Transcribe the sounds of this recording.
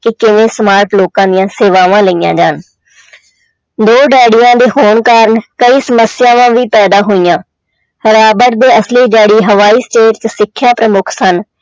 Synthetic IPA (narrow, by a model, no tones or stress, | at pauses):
kɪkɪʋẽːsmaːɾʈloːkãːd̪ijãːseːʋaːʋãːləiːjã̰ːd͡ʒaːn | d̪oːɖɛːɽijãːd̪eːɦoːɳkaːɾnkəiːsəməsɪjaːʋãːʋiːpɛːd̪aːɦoːijãː | həɾaːbəɾd̪eːəsliːɖɛːɽiːɦəʋaːiːsʈeːʈt͡ʃsɪkʰːjãːpɾəmʊkʰsən